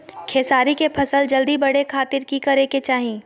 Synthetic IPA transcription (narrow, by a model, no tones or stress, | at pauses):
kʰeːsaːɾikepʰɐsəld͡ʒɐld̪ibɐɽ̤ekʰaːt̪ɪɾkikɐɾeket͡ʃaːɦĩː